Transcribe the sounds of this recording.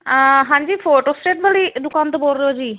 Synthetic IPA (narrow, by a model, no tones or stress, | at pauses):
ɦãːɲd͡ʒiːpʰoːʈoːsʈeːʈbaliːd̪ʊkaːnt̪obolɾeoːd͡ʒiː